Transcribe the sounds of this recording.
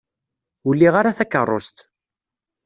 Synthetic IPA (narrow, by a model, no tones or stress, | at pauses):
ʊlːiʁaɾaθækːə̰rˤːo̰st̪